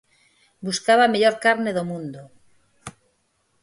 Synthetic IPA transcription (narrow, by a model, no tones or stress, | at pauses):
buskaβameʎoɾkaɾneðomũnd̪o